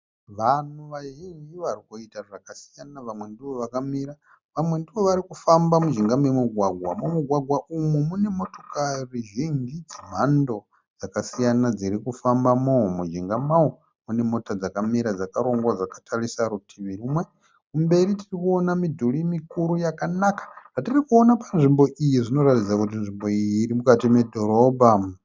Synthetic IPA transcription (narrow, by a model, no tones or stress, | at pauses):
ʋanuʋaʒiŋɡiʋarikoitaʐakasi̥janaʋamwe̞ndiʋo̞ʋakamiɾa | ʋamwe̞ndiʋo̞ʋaɾikufambamuʒiŋɡamwemuɡʱwaɡʱwamumuɡʱwaɡʱwaʔumumune̞mo̞to̞kariʒiŋɡid͡zim̤ando̞ | d͡zakasijanad͡ziɾikufambamomud͡ʒiŋɡamao | mune̞mo̞tad͡zakamiɾad͡zakaɾo̞ŋɡwad͡zakḁtʰarisaɾutʰiʋirimwe | kumbe̞ɾitirikuonamidʱulimikuɾujakanakḁʐ̥atirikuonapanʐimbo̞ʔijiʐino̞ɾatid͡zakut̬inʐimbo̞iiɾimukatimedʱo̞ɾobʱa